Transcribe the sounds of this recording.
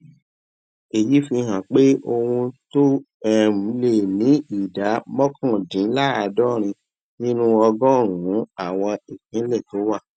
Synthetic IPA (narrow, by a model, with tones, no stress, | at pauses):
e˨ji˨˦fĩ˧ɦã˨k͡pe˦o˧wũ˧to˦ | ɛ˦mũ˨˦le˦˨nĩ˨˦i˦˨da˨˦mɔ˦kʰɔ̃˦˨dĩ˨˦la˦a˧dɔ˦ɾ̃ĩ˧ | nĩ˦nũ˦ɔ˧ɡɔ̃˦˨ɾ̃ũ˨ũ˨˦a˦˨w̃ɔ̃˧e˨kĩ˨˦lɛ˦˨to˨˦wa˦˨